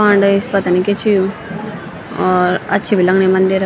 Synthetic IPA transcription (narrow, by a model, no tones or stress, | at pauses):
ãːɳɖɪspɐt̪aniket͡ʃʰiju | ɔːɾɐ̰tːʃʰibʱilɐŋɡɳimɐnd̪iɾ